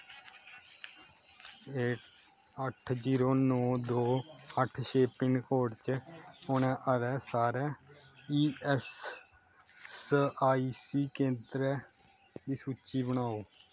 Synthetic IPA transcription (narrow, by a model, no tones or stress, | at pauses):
eːʈ | əʈʰd͡ʒiːɾoːnɔːd̪oːəʈʰʃeːpɪɳkoːɖt͡ʃəʊnɛ̃ːʔəɾɛːsaːɾɛːiːɛs | saːiːsiːkẽːnd̪ɾɛː | d̪iːsuːt͡ʃiːbəɽaːoː